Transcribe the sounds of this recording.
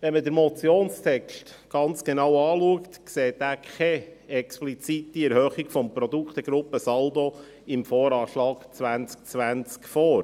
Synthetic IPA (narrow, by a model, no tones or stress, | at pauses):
ʋɛnmədəɾmɔt͡sjoːnst̪ʰɛkʃtɡ̥ɑnt͡sɡ̥enɑwɑːluəkt̪kseːtæːkʰɛɛksplit͡sit̪iɛɾhœχikfɔmpɾɔd̪ukχt̪əɡɾʊpːəsɑld̪o | ɪmfɔːɾɑːʃlɑːɡ̥t͡sʋænt͡sk̚t͡sʋænt͡skfɔːɾ